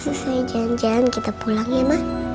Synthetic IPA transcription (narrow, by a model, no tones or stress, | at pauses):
susajd͡ʒand͡ʒankit̪apulaŋɲamah